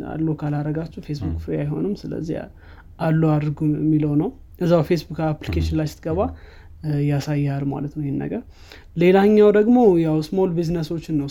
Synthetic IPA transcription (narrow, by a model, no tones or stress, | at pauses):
a̰lːokʰalaɾəɡat͡ʃːufe̞sbukfajɦo̞̰nɨmsɨlə̰zːi | alːuad̪ɾɡuɛmːiləwnəw | ɡəzːawfe̞sbukaplikʰeʃɪnlajsɪ̥t̪ɡəβa | jasajːɛalma̰lət̪nəwihenːə̰ɡəɾ | le̞laɨɲːawd̪əɡmo̞jawsmo̞lbiznəso̞t͡ʃːɪnːəw